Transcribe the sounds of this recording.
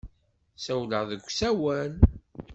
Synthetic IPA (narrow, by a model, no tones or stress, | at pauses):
sæwləʁðəɡʷːsæwæn